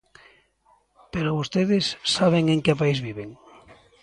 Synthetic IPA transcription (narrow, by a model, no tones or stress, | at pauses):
peɾoβost̪eðesːaβ̞eŋẽŋkepaizβiβ̞eŋ